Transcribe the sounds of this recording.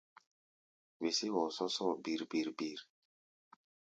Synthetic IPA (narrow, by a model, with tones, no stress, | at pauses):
we˨se˦wɔ˨sɔ˦sɔ˦˨bi˨ɾbi˨ɾbi˨ɾ